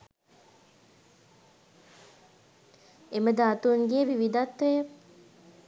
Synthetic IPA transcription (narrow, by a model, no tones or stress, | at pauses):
eməd̪aːt̪uŋɡeːʋiʋid̪at̪ʋejə